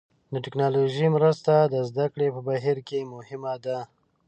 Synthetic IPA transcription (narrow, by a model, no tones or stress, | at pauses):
d̪əʈɪknɑloʒimɾəst̪ad̪əzd̪akɽepəbaɦiɾkemʊhɪmad̪a